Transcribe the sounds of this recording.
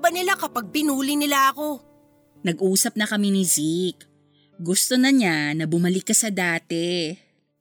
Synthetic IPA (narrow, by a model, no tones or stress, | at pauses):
bɐnɪlakɐpaɡ̚pɪnuːlɪnɪlaʔɐko̞ | nɐɡʔuːsɐp̚nɐkɐminɪzik | ɡʊst̪o̞nɐɲanɐbʊmɐlɪkːɐsɐd̪aːt̪ɛ